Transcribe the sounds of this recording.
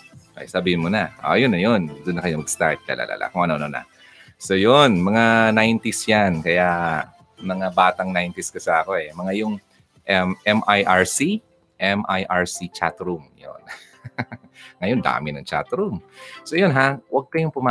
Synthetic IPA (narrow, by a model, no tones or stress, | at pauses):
ʔɐ̰jsabihɪnmonaʔo̰ʔjonːɐjond̪ʊnːɐkɐjomɐɡst̪a̰ɹt̪̚la̰la̰lʔa̰ːlʔa̰kʊŋʔɐnoɐnonɐ̰ | so̞jonmɐŋanajnt̪isjankɐja | mɐŋabaːt̪ɐŋnajnt̪ɪskɐsɐɐko̞ʔɛmɐŋajʊŋ | ʔɛmʔɛmʔajʔaɹsi | ʔɛmʔajʔaɹsit͡ʃa̰t̪ɾumjo̰n | ŋɐjond̪a̰ːmɪnɐŋt͡ʃa̰t̪ɾumsojonɦawɐɡ̚kɐjʊŋpʊma